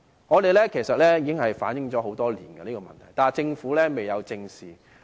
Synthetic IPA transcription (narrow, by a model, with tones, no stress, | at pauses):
ŋɔː˨˧t̪e˨jlɛː˥kʰe˨˩jsɐ˨t̚lɛː˥jiː˨˧kɪ˥ŋɦɐ˨jfaː˨˥njɪ˨˥ŋt͡sɔː˨˥ɦo˨˥wt̪ɔː˥liː˨˩nɡɐ˧niː˥kɔː˧mɐ̰˨nt̪ʰɐ˨˩jt̪aː˨˩t͡sɪ˧ŋfuː˨˥lɛː˥me˨jɐ˨˧wt͡sɪ˧ŋsiː˨